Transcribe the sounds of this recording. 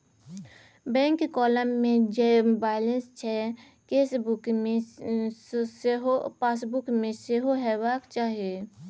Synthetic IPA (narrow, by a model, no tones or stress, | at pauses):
bɛ̃ːŋkkɔːləmːẽd͡ʒembaːlə̃nst͡ʃʰɛ | keːsbʊke | sɦopaːsbʊkmẽseɦoɦɛːwaːkt͡ʃaːɦijeː